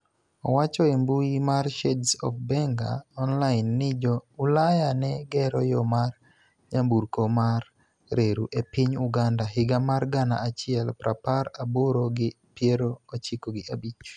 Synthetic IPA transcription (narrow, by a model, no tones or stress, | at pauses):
ɔwat͡ʃɔembuimarʃɛdsɔ̰fbɛŋɡa̰ɔnlaɪnːɪd͡ʒɔulajanɛɡɛɾɔjɔmar | ɲambuɾkomar | ɾeɾuʔepɪɲuɡandaɦɪɡamarɡana̰at͡ʃɪɛlpɾapaɾaboɾoɡɪ | pjeɾoot͡ʃɪkoɡɪʔabit͡ʃ